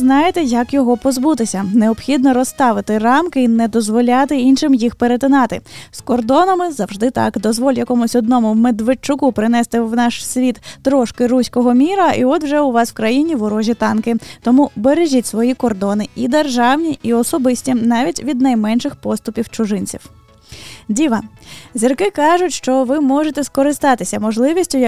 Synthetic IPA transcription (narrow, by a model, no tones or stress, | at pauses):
znɑjet̪ɛjɐkjɔɦɔpɔzbut̪ɪsʲɐneɔbxʲid̪nɔɾɔst̪ɑʋɪt̪ɪrɑmkɪinɛd̪ɔzʋɔlʲat̪ɪinʃɪmjixpeɾet̪ɪnɑt̪ɪskɔrd̪ɔnɐmɪzɐwʒd̪ɪt̪ɑ̰kd̪ɔzʋɔlʲjɐkɔmʊsʲɔd̪̚nɔmʊwmed̪ʋet͡ʃːʊkupɾɪnɛst̪ɪwnɑʃsʲʋʲit̪ːɾɔʃkɪɾusʲkɔɦɔmʲiɾɐiɔd̪wʒɛʊʋɑswkɾɐjinʲiʋɔɾɔʒʲit̪ɑnkɪt̪ɔmubeɾeʒʲitʲsʋɔjikɔrd̪ɔnɪid̪erʒɑwnʲiʔiɔsɔbɪsʲtʲinɑʋʲitʲʋʲid̪nɐjmɛnʃɪxpɔst̪ʊpʲiwt͡ʃʊʒɪnʲt͡sʲḭw | dʲiʋɐzʲirkɪkɑʒʊtʲʃt͡ʃɔʋɪmɔʐet̪ɛskɔɾɪst̪ɑt̪ɪsʲɐmɔʒlˠɪʋʲisʲtʲʊj